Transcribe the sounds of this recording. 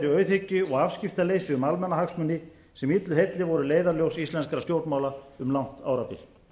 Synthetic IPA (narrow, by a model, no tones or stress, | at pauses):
ɾɪœɥθecːʏɔɣafscɪft̪aleːjsʏʏmalmɛnːaɦaksmʏnːɪ | sɛmit̪lʏɦejt̪lɪvɔɾʏleːjðaɾljowsist̪lɛnskɾast̪jowɾt̪mawlaʏmlawn̥t̪a̰ːwɾapɪ̰l